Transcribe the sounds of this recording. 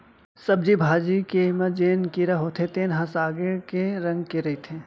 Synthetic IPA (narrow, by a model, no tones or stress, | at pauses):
sɐb̚d͡ʒibʱaːd͡ʒikemɐd͡ʒeːnkiɾaɦot̪ʰet̪eːnɦãsaːɡekeɾɐ̃ŋɡkeɾɐit̪ʰẽ